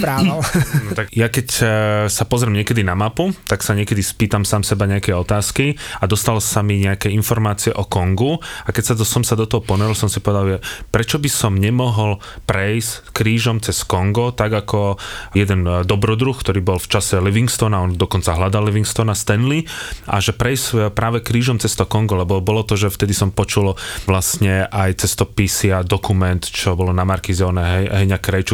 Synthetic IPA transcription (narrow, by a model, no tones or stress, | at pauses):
pɾaalnɔt̪akjakɛcsapɔzɾɛmɲɪɛkɛd̪inamaput̪aksaɲɛkɛd̪ispiːt̪amsaːmsɛbaɲɛakɛjɔt̪aːskiad̪ɔst̪alsamiɲɛakɛinfɔɾmaːt͡siɛʔɔkɔŋɡuakɛcsasɔmsad̪ɔt̪ɔɦɔpɔnɛɾilsɔmsipɔʋɛd̪alʒɛpɾɛt͡ʃɔbisɔmɲɛmɔɦɔl | pɾɛjskɾiːʒɔmt͡sɛskɔŋɡɔt̪aɡakɔjɛd̪ɛnd̪ɔbɾɔd̪ɾuxkt̪ɔɾiːbɔlft͡ʃasɛliʋiŋkst̪ɔnaɔnd̪ɔkɔnt͡saɦlad̪alːiʋiŋkst̪ɔnast̪ɛnliʔa̰ʒɛpɾɛjspɾaːʋɛkɾiːʒɔmt͡sɛst̪ɔkɔŋɡɔlɛbɔbɔlɔt̪ɔʒɛft̪ɛd̪isɔmpɔt͡ʃulʋlasɲɛʔajt͡sɛst̪ɔpisɪad̪ɔkumɛnt̪t͡ʃɔbɔlɔnamaɾkizɔnɛɛɦɛɲakɾɛjt͡ʃu